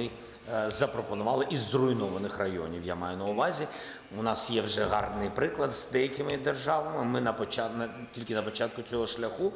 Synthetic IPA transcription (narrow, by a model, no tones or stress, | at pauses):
ɪ | zɐpɾɔpɔnʊʋɑlˠɪʔizːrʊjnɔʋɐnɪxrɐjɔ̰nʲiwjamɑjʊnɐʊʋɑzʲi | ʊnɑsjɛwʒɛɦɑ̰rd̪nɪjpɾɪklˠɐd̪zd̪ɛjɐkʲɪmɪd̪erʒɑʋɐmɪmɪnɐpɔt͡ʃɑnɐ | tʲilʲkʲɪnɐpɔt͡ʃɑt̪̚kʊt͡sʲɔɦɔʃlʲɐxu